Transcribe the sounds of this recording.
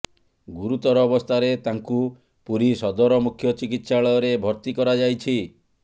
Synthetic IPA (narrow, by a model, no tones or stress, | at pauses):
ɡuɾut̪ɔɾɔːbɔst̪ʰaɾet̪aŋku | puɾisɔd̪ɔɾɔmukʰjɔt͡ʃikit̪saɭɔjɔɾebʱɔɾt̪ikɔɾad͡ʒajt͡ʃʰi